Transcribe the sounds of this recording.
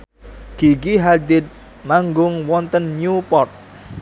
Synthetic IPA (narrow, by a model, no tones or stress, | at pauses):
ɡ̥iɡiɦad̪ɪt̪̚ | maŋɡʊŋwɔnt̪ənɲupɔrt̪̚